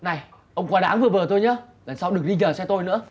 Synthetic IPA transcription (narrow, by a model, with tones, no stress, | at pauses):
na˨˩j | ʔə˧wŋ͡mkwaː˧ɗa̰ː˨˦nvɨ˨˩əvəː˨˩t̪o˧jɲəː˨˦ | ɣə˨˩nsa˧wɗɨ˨˩ək̚ɗi˧ɲəː˨˩sɛ˧t̪o˧jnɨ̰˧˥ə